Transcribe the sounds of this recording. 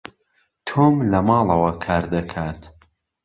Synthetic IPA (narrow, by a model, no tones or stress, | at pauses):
t̪ʰoːmlɐmɑːlˠɐwɐkʰaːɾd̪ɐkʰaːt̪